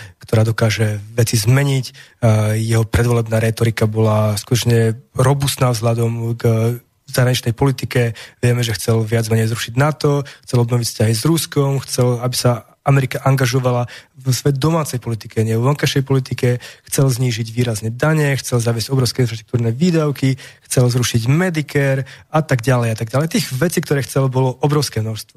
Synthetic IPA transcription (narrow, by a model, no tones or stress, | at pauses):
kt̪ɔɾaːd̪ɔkaːʒɛʋɛt͡sizmɛɲic | jɛɦɔpɾɛd̪ʋɔlɛbnaːɾɛt̪ɔɾikabɔlaskut̪ɔt͡ʃɲɛɾɔbust̪naːvzɦlad̪ɔmɡ | zaɦɾaɲit͡ʃnɛjpɔlit̪ikɛʋɪɛmɛʒɛxt͡sɛlʋɪad͡zmɛɲɛjzɾuʃiɟnat̪ɔxt͡sɛlɔbnɔʋicfscaɦizɾuskɔmxt͡sɛlabisa | amɛɾikaʔaŋɡaʒɔʋalaʋsʋɛd̪̚d̪ɔmaːt͡sɛjpɔlit̪ikɛɲɛʋɔŋkajʃɛjpɔlit̪ikɛxt͡sɛlzɲiːʒiɟʋiːɾazɲɛd̪aɲɛxt͡sɛlzaʋɪɛzɟɔbɾɔʊskɛinfɾaʃt̪ɾukt̪uːɾnɛʋiːd̪aʊkixt͡sɛlzɾuʃiɟmɛd̪ikɛɾat̪aɡɟalɛjat̪aɡ̚ɟalɛjt̪iːɣʋɛt͡siːkt̪ɔɾɛːxt͡sɛlbɔlɔʔɔbɾɔʊskɛːmnɔʃst̪ʋɔ